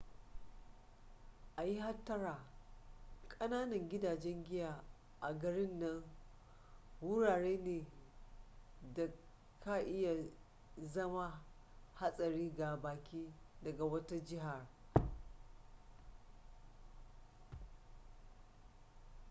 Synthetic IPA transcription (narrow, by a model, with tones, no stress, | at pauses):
ʔa˨ji˦ɦa˦tːɐ˦ɾaː˨ | kʼɐ˦naː˦nɐ˨ŋɡʲɪ˦daː˨d͡ʒɛ˦ŋɡʲɪ˦jaː˨ | ʔa˨ɡɐ˨ɽɪ˦nːɐ˦ŋ | wʊ˦ɽaː˨ɽeː˦neː˨ | da˨ | kʰa˦ʔɪ˦ja˨ | zɐ˦ma˦ | ha˦sʼɐ˨ɾiː˦ɡa˨baː˨kʲʰiː˦dɐ˨ɡa˨wɐ˦ta˦d͡ʒɪ˦ɦa˨r